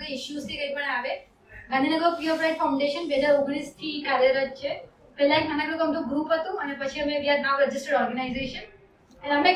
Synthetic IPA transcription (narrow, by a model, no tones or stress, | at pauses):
ɡəɪʃjuzt̪ʰikəipəɳaʋe | ɡʱãnd̪ʱinəɡəɾkiəpɾãʈfaʊ̃ɳɖeʃənbeɦəd͡ʒaɾʊɡɽ̃ist̪ʰikaɾjəɾət͡ʃʰe | pɛlːajmanakukəmt̪ũɡɾuːpɦət̪ũənepət͡ʃʰiəmẽʋjad̪̚baʋɾəd͡ʒɪsʈəɽɔɾɡənaizeʃən | əneəme